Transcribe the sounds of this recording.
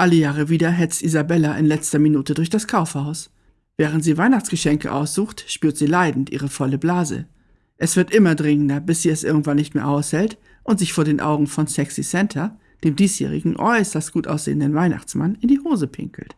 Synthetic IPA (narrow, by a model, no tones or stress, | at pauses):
ʔaləjaːʁəviːdɐɦɛt͡stʔizabɛlaʔɪnlɛt͡stɐminuːtədʊɐçd̥askʰaʊfhaʊs | v̥ɛːʁ̞əntz̥iːvaɪnaχt͡sɡ̥əʃɛŋkə̰ʔa̰ʊsz̥uːxtʃpyːɐtz̥iːlaɪdn̩tʔḭːʁ̞əfɔləblaːzə̰ | ʔɛsv̥ɪɐtʔɪmɐdʁɪŋəndɐbɪsz̥iːɛsʔɪɐɡŋ̩tvanːɪçtmeːɐʔaʊshɛlt | ʔʊntz̥ɪçfoːɐɾeːnʔa̰ʊɡŋ̩fɔnsɛksisɛntʰɐ | d̥eːmdiːsjḛːʁ̞ɪ̰ɡŋ̩ʔɔʏsɐst̚ɡ̥uːtʔa̰ʊsz̥ḛːəndənvaɪna̰χt͡sma̰nɪndiːhoːzəpʰɪ̰ŋkl̩t